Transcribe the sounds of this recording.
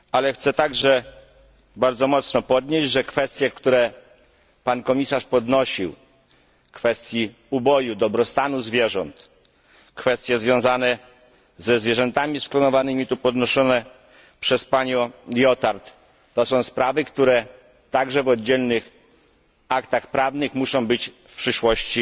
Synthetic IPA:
alɛxt̪sɛt̪aɡʐɛ | baɾd̪zɔmɔt̪snɔpɔd̪ɲed͡ʑʐɛkfɛst̪ʲjɛkt̪uɾɛ | pankɔmʲisaʂpɔd̪nɔɕḭw | kfɛst̪ʲji | ubɔjud̪ɔbɾɔst̪anuzvʲjɛʐɔ̰nt̪ | kfɛst̪ʲjɛzvjɔ̃zanɛ | zɛzvʲjɛʐɛnt̪amʲisklɔnɔvanɘmʲit̪upɔd̪nɔʂɔnɛ | pʂɛspaɲɔ̃ljɔt̪aɾt̪ː | ɔsɔ̃w̃spɾavɘkt̪uɾɛ | t̪aɡʐɛvɔd̪̚d͡ʑɛlnɘx | akt̪axpɾavnɘxmuʂɔ̃w̃bɘt͡ɕ | fpʂɘʂwɔɕt͡ɕi

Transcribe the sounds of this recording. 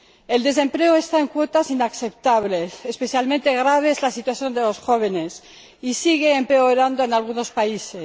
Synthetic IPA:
e̞ld̪e̞s̬ẽ̞mple̞oe̞st̪ae̞ŋkwo̞t̪asinakθe̞p̚t̪aβle̞sespe̞θjalmẽnt̪e̞ɣ̞ɾaβ̞e̞ezlasit̪waθjo̞nd̪e̞lo̞sxo̞β̞e̞ne̞s | isiɣe̞ːmpe̞oɾand̪oe̞nalɣuno̞spaise

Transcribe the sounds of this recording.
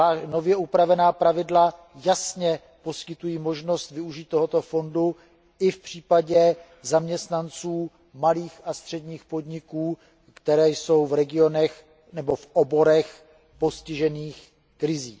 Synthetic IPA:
ano̞vjɛʔupɾavɛnaːpɾavɪdla | jasɲɛ | po̞skɪt̪ujiːmo̞ʒno̞st̪vɪuʒiːt̪̚ːo̞ɦot̪o̞fo̞ndu | ɪfpr̝̥iːpaɟɛ | zamɲɛst̪nant͡suː | maliːxast̪r̝̥ɛdɲiːxpo̞dɲɪkuː | kt̪ɛɾɛːjso̞wvɾɛɡɪo̞nɛx | nɛbo̞fʔobo̞ɾɛx | po̞scɪʒɛniːx | kɾɪzḭː

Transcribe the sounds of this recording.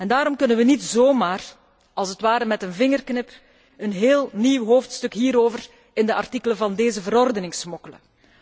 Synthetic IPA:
ɛndaːɾɔmkɵnənʋənitz̥oːmaːr | ɑlˠsətʋaːɾəmɛtənvɪŋərknɪp | ənɦeːlˠniwɦoːftstɵkɦiːɾoːvər | ɪndəʔɑrtikələvɑndeːzəvəɾɔrdənɪŋsmɔkələ̰

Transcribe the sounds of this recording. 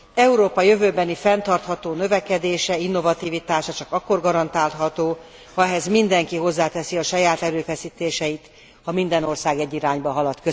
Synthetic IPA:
ɛuɾoːpɒjø̞vøːbɛnifɛnt̪ɒrt̪hɒt̪oːnøvɛkɛd̪eːʃɛinːo̞vɒt̪iːvit̪aːʃɒt͡ʃɒkɒkːo̞rɡɒɾɒnt̪aːlɦɒt̪oː | hɒɛɦɛzmind̪ɛŋkiɦo̞zːaːt̪ɛsiɒʃɒjaːt̪ɛɾøːfɛsiːt̪eːʃɛjit̪ | hɒmind̪ɛno̞rsaːɡɛɟːiɾaːɲbɒɦɒlɒt̪kø

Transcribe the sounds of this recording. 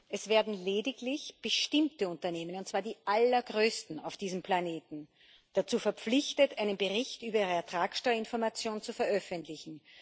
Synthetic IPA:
ʔɛsv̥ɛːɐdn̩leːdɪklɪçb̥əʃtɪmtəʊntɐneːmənʊntt͡sv̥aːɐdiːʔalɐɡʁøːstn̩aʊfd̥iːzəmpʰlaneːtn̩ | d̥at͡suːfɛɐp͡flɪçtətʔæɪnənbəʁɪçtʔyːbɐiːʁəɛɐtʁ̥aːksʃtɔʏɐɪnfɔɐmat͡sjoːnt͡sufɛɐʔœfəntlɪçn̩

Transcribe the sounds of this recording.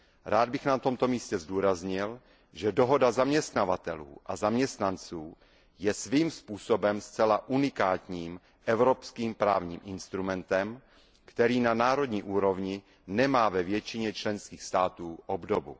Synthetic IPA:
ɾaːd̪̚bɪxnat̪o̞mt̪o̞miːscɛzduːɾazɲɪl | ʒɛdoɦo̞dazamɲɛst̪navat̪ɛlṵːʔa̰zamɲɛst̪nant͡suː | jɛsviːmspuːsobɛmst͡sɛlaʔunɪkaːt̪ɲiːm | ʔɛvɾo̞pskiːmpɾaːvɲḭːmʔɪnst̪ɾumɛnt̪ɛm | kt̪ɛɾiːnanaːɾo̞dɲiːʔuːɾo̞vɲɪ | nɛmaːvɛvjɛt͡ʃɪɲɛt͡ʃlɛnskiːxst̪aːt̪uːʔobdobṵ

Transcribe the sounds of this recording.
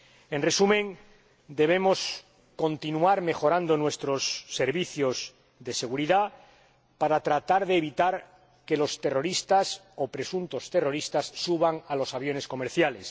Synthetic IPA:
e̞nre̞sumẽ̞ŋ | d̪e̞β̞e̞mo̞s | ko̞nt̪inuaɾme̞xo̞ɾand̪o̞nwe̞st̪ɾo̞sːe̞ɾβiθjo̞z | ðe̞se̞ɣuɾiða | paɾat̪ɾat̪aɾðe̞ːβit̪aɾ | ke̞lo̞st̪e̞ro̞ɾist̪as | o̞pɾe̞sunt̪o̞st̪e̞ro̞ɾist̪asːuβaŋalo̞saβjo̞ne̞sko̞me̞ɾθjale̞s

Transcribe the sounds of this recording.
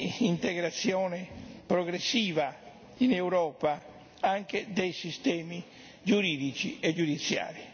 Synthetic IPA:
int̪eɣɾat̪sːjɔːnepɾɔɣɾesːiːva | inɛwɾɔːpa | aŋked̪ejsist̪ɛːmi | d͡ʒuɾiːd̪it͡ʃiɛd͡ʒud̪it̪sːja̰ːɾi

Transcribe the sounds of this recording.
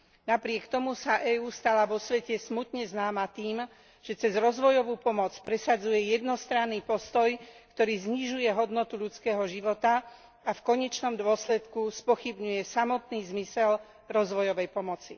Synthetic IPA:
napɾɪɛkt̪ɔmusaʔɛːuːst̪alaʋɔsʋɛcɛsmut̪ɲɛznaːmat̪iːm | ʒ̥ɛt͡sɛzɾɔzʋɔjɔʋuːpɔmɔt͡spɾɛsad͡zujɛjɛd̪nɔst̪ɾanːiːpɔst̪ɔjkt̪ɔɾiːzɲiʒujɛɦɔd̪nɔt̪uʎut͡skɛːɦɔʒiʋɔt̪a | afkɔɲɛt͡ʃnɔmd̪ʊɔslɛt̪kuspɔxibɲujɛsamɔt̪niːzmisɛl | ɾɔzʋɔjɔʋɛjpɔmɔt͡si

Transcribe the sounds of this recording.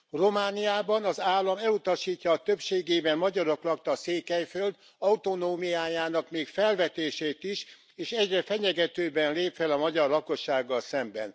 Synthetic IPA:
ro̞maːnijaːbɒnɒzaːlːɒmɛlut̪ɒʃiːcːɒːt̪øpʃeːɡeːbɛmmɒɟɒɾo̞klɒk̚t̪ɒseːkɛjfø̞ld̪ | ɒut̪o̞noːmijaːjaːnɒkmeːkfɛlvɛt̪eːʃeːt̪iʃ | eːʃɛɟrɛfɛɲɛɡɛt̪øːbɛnleːpfɛlɒmɒɟɒrlɒko̞ʃːaːɡːɒlsɛmbɛ̰n

